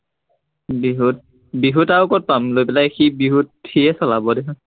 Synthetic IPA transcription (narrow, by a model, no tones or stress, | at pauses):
biɦut̚ | biɦutaʊkɔt̚pamlojpɛlajxibiɦut̚ʰxiɛsɔlabɔdekʰɔ̃